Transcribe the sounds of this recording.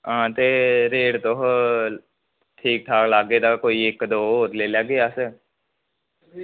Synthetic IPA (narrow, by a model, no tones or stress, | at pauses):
ãːt̪eɾeːɽt̪oɦ | ʈʰiːk̚ʈʰaːklaːɡed̪akoːieːkːd̪oːɾleːlaɡejaːse